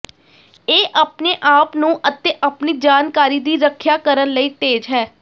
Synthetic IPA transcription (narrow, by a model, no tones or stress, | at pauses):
eːʔapneːʔaːpnũːʔət̪eːʔəpniːd͡ʒaːnkaːɾiːd̪iːɾəkʰjaːkəɾənləiːt̪eːd͡ʒɦɛː